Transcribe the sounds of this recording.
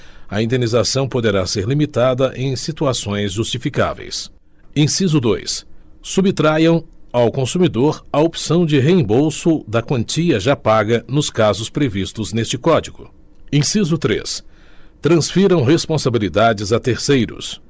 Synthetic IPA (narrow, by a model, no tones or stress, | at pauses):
ɐĩnd̪enizasɐ̃w̃pod̪eɾaseɾlimit̪ad̪ɐʔẽj̃sit̪uasõj̃zʒust͡ʃifika̰vḛjs | ẽj̃sizʊd̪ojsːubit̪ɾajɐ̃w̃awkõsumid̪oɾɐopsɐ̃w̃d͡ʒɪɦeẽbowsʊd̪ɐkwɐ̃nt͡ʃiɐʒapaɡɐnʊskazʊspɾevist̪ʊznest͡ʃɪkɔd͡ʒiɡʊ | ẽj̃sizʊt̪ɾḛs | t̪ɾɐ̃sfiɾɐ̃w̃ɦespõsabilid̪ad͡ʒɪzɐt̪eɾsejɾʊ̰s